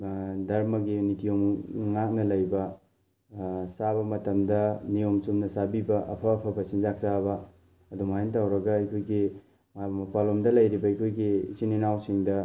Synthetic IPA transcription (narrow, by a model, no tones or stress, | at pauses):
dɐɾmɐɡinitʰijomŋak̚nɐlɐjbɐ | sabɐmɐtɐmdɐnijomsumnɐsabibɐʔɐpʰɐːpʰɐpʰɐsinzak̚saβɐ | ɐdumajntawɾɐɡɐɐjkʰojɡi | mɐpalomdɐlɐjɾibɐɐjkʰojɡiːsininawsiŋdɐ